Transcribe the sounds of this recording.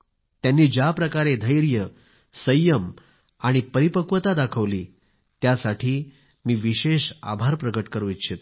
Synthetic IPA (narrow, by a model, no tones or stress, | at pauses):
t̪janːiːd͡ʑjapɾəkaɾed̪ʱəjɾjə | səjəm | aɽ̃ipəɾipəkʋət̪ad̪akʰəʋlḭː | t̪jasaʈʰiː | miːʋiɕeɕa̰bʱaɾpɾəɡəʈkəɾuit̪ːɕʰet̪